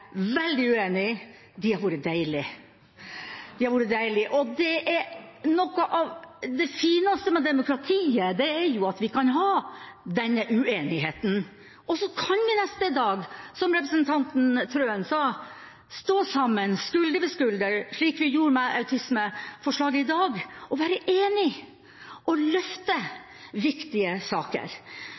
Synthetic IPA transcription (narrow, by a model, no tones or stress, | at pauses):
ʋɛld̪ɪʉeːnɪ | d̪ɪhɑɾʋuːɾəd̪æɪɭɪ | d̪̥ɪhɑɾʋuːɾəd̪æɪlɪʔɔd̪ɛʔɛɾnɔkːəʔɑʋd̪ɛfiːnɑst̪əmɛd̪ɛmʊkʰɾɑt̪ʰiːəd̪ɛːɾjʊɑt̪ʋɪkɑnɦɑːd̪ɛnːəʔʉeːnɪɦeːt̪n̩ | ʔɔsɔkʰɑnʋɪnɛst̪əd̪ɑːɡsɔmɾɛpɾəsnt̪ʰɑnt̪n̩t̪ʰɾøːənsɑː | st̪oːsɑmːənskʉld̪əʋɪskʉld̪əɾʂɭiːkʋɪjuːɾmɛʔɑʉt̪ʰɪsməfɔʂɭɑːɡəɪd̪ɑːɡɔʋæːɾəʔeːnɪ | ʔɔlœft̪ə | ʋɪkt̪ɪəsɑ̰ːkə̰ɾ